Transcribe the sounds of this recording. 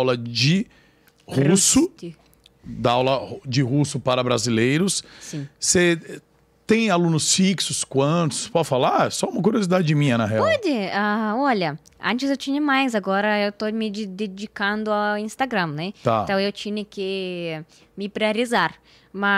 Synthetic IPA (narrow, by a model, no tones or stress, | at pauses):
wlɐd͡ʒɪ | husʊ | d̪aawlɐd͡ʒɪɦusʊpaɾɐbɾazilejɾʊssĩse | t̪ẽj̃alũnʊsfiksʊskwɐ̃t̪ʊ̥spɔɪfalaɛsɔũmɐkuɾiozid̪ad͡ʒɪmĩɲɐnɐɦeapɔd̪ɪaɔʎɐ | ɐ̰̃nt͡ʃɪzewt͡ʃĩɲɐmajzaɡɔɾɐewt̪omɪd̪ed͡ʒikɐ̃nd̪ʊaĩst̪aɡɾɐ̃mnɛt̪ãt̪ɐ̃w̃ewt͡ʃĩɲɐkɪ | mɪpɾeaɾizaɾ | mɐ